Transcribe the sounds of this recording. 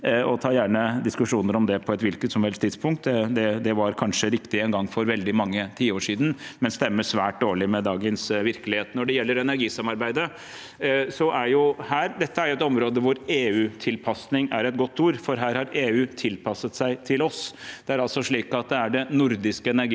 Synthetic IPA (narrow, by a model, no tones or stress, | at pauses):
ɔt̪ʰɑːjæːɳəd̪ɪskʉʂuːnəɾɔmd̪ɛpʰɔɛt̪ʋɪlkət̪sɔmʋɛltst̪ʰɪd̪spʊŋkt̪ɛd̪ɛd̪ɛʋɑɾkʰɑnʂəɾɪkt̪ɪɛːnɡɑŋːfɔɾʋɛld̪ɪmɑŋːət̪ʰiːəoːʂiːd̪n̩mɛnst̪ɛmːəʂʋæːʈ̚d̪oːɭɪmɛd̪ɑːɡənsʋɪɾkəlɪheːt̪nɔɖɛjɛlːəɾɛnæɾɡiːsɑmɑɾbæɪd̪ə | sɔʔæjʊhæːɾd̪ɛt̪ːəæɾjʊɛt̪ɔmɾoːd̪əʋʊɾeːʉːt̪ʰɪlpʰɑsnɪŋæɾɛt̪̚ɡɔt̪ːuːɾfɔɾɦæːɾhɑɾeːʉːt̪ʰɪlpʰɑsːət̪sæɪt̪ʰɪlɔsd̪̥ɛæɾɑlsɔʂɭiːkɑt̪̚d̪ɛæɖɛnʊɾd̪ɪskəɛnæɾɡiː